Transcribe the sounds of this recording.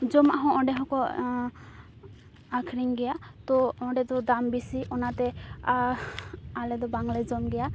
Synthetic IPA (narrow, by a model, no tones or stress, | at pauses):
d͡ʒɔma̰ɦɔ̃ɔɖɛɦɔ̃kɔ | akʰɾiŋɡɛjat̪ɔɔɖɛd̪ɔd̪ambisiʔɔnat̪ɛa | alɛd̪ɔbaŋlɛd͡ʒɔmɡɛja